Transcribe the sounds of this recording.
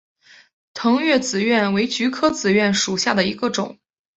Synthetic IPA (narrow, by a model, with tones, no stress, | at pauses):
t̪ʰɤ˧˥ŋɥɛ˥˩t͡sɹ̩˨˩ɥɛ˥˩nwe˧˥ɪt͡ɕy˧˥kʰɤ˥t͡sɹ̩˨˩ɥɛ˥˩nʂu˨˩ɕja˥˩d̪ə˩i˧˥ɡə˧ʈ͡ʂʊ̰˨˩˦ŋ